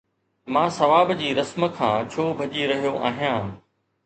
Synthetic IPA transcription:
mãːsɐʋaːbd͡ʑiːɾɐsmə̆kʰãːt͡ɕʰoːbʱɐʄiɾɐɦijoʔa̰ːɦijãː

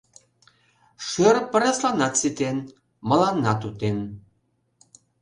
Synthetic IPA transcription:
ʃøɾpə̆ɾɑslɑnɑt̪sit̪en | mə̆lɑnːɑt̪ut̪en

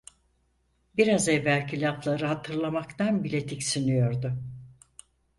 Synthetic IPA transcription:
biɾazɛvːælʲcʰilʲaplˠaɾɯɦat̪ʰɯɾlˠamakt̪anbilʲet̪ʰicsinijo̞ɾd̪ʊ

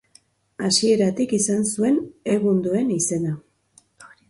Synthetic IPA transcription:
asie̞ɾat̪ikisansue̞ne̞ɣund̪ue̞nise̞na

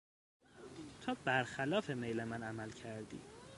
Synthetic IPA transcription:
t̪ʰɒːb̥æɾxælɒːfe̞mejlemænæmælcʰæɾd̪ḭː

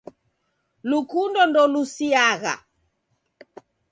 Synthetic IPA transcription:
lukundɔndɔlusiaɣa̰

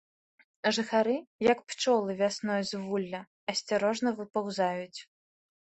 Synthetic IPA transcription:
ʐɨxaɾɨjɐkpt͡ʂɔlˠɨvʲasnɔjzvulʲːɐ | ɐsʲt͡sʲaɾɔʐnɐvɨpawzajut͡sʲ

